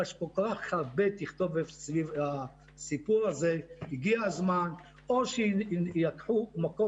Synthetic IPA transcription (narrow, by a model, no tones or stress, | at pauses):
aʃkokoʁaχaʁbet̪iχt̪o̞vesviva | sipuʁazehiɡiazman | oʃejakħumako